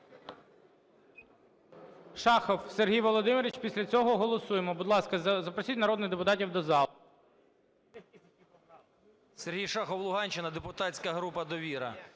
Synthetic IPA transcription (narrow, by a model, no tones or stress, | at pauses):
ʃɑxɔwserɦʲijʋɔlˠɔd̪ɪmeɾʲɪt͡ʃpʲisʲlʲɐt͡sʲɔɦɔɦɔlˠɔsujemɔbʊd̪lˠɑskɐzɐpɾɔsʲitʲnɐɾɔd̪nɪɣd̪epʊt̪ɑtʲiwd̪ɔzɑ | serɦʲijʃɑxɔwlˠʊɦɑnʲt͡ʃɪnɐd̪epʊt̪ɑt͡sʲkɐɦɾupɐd̪ɔʋʲiɾɐ̰